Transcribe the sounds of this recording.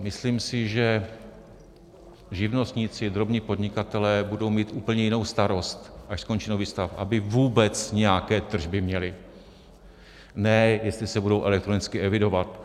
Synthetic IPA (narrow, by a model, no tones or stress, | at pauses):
mɪsliːmsɪʒɛ | ʒɪvno̞st̪ɲit͡sɪd̪ɾo̞bɲiːpo̞dɲɪkat̪ɛlɛːbudo̞wmiːt̪ʔuːpl̩ɲɛjɪno̞wst̪aɾo̞st̪ʔaʃsko̞nt͡ʃinoviːst̪afʔa̰bɪvuːbɛt͡sɲɛjakɛːt̪r̩ʒbɪmɲɛlɪ | nɛjɛst̪lɪsɛbudowʔɛlɛkt̪ɾo̞nɪt͡skɪʔɛvɪdo̞vat̪